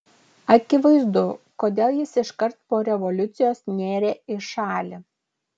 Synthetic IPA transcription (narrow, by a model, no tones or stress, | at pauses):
ɐkʲɪʋɐɪzd̪ʊkoːd̪ʲeːlˠjɪsɪʃkɐɾt̪̚poːɾʲɛʋɔlʲʊt̪sʲɪjoːsnʲeːɾʲeːɪʃɑːlʲɪ